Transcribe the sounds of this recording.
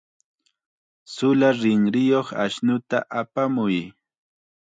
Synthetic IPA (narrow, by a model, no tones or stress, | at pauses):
sʊlaɾɪŋɾɪjoχa̰ʃnʊt̪a̰ʔapamʊj